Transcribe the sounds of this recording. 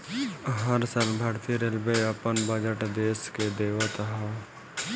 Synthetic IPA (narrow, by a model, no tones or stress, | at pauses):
ɦəɾsalbʱaːɾt̪iɾelbeəpənbəd͡ʒəʈd̪eːsked̪eːʋət̪ɦa